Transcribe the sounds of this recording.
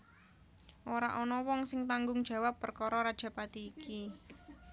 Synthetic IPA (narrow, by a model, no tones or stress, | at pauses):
ʔoɾa̰ʔɔnɔwɔŋsɪŋt̪aŋɡʊŋd̥ʒ̥ä̤wapːərkɔɾɔɾad̥ʒ̥ä̤pat̪iːki